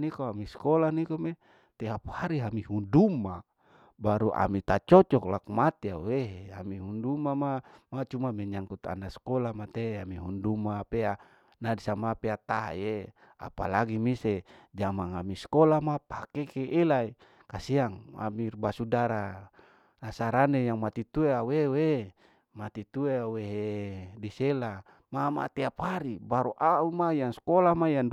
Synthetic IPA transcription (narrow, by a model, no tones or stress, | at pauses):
nikoamiskolanikome | t̪eɦapu̥haɾiɦamihundumːa | baɾuʔa̰mit̪at͡ʃɔt͡ʃɔklakmat̪iaueɦamiɦundumamamat͡ʃumamɛɲaŋkut̪a̰ndaskolamat̪eamiɦundumapea | nadisamapeat̪aɦje | a̰pa̰laɡimised͡ʒamaŋamiskolamapakekeʔelai | kasiaŋa̰mirbasudaɾa | nasaɾanejaŋmat̪it̪ueawewe | mat̪it̪ueaweɦedisela | mama̰t̪eapaɾibaɾuʔaumajaŋskolamajand